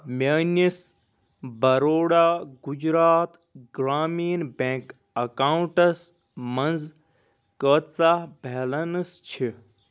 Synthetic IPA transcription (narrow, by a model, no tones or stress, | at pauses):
mɐːnis | bɐɾoːɽaːɡud͡ʒɾaːt̪ | ɡɾaːmiːnbẽːk | ɐkaːuɳʈɐs | mɐnd͡z | kət̪t͡sabʱeːlɐnɨst͡ʃʰi